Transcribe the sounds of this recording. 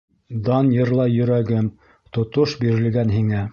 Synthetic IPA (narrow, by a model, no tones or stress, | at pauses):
d̪ɑnjɤ̆ɾlˠɑjɵ̆ɾæɡɘm | t̪ŏt̪oʃbiɾɘ̆lɡænɦiŋæ